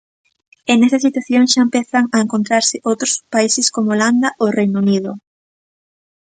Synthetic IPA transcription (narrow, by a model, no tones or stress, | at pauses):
enesɐsit̪waθjoŋʃaempeθɐŋɐeŋkont̪ɾaɾsɪʔowt̪ɾʊspaisɪskomooland̪ɐʔorejnunið̞ʊ